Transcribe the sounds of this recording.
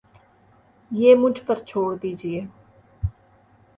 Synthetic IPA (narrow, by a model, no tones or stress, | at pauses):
jeːmʊd͡ʒʱpəɾt͡ʃʰoːɽd̪iːd͡ʒɪeː